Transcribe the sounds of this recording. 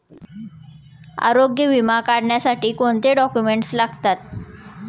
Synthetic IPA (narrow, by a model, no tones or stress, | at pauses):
a̰ɾoɡjəʋimakaɽɳjasaʈiːkoɳt̪eɖɔkjumeɳʈslaɡt̪at̪̚